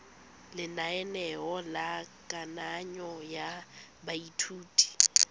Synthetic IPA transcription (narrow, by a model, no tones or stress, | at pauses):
lɪnaɛnɛɔlakʼanaɲɔja | baitʰuːtʼi̥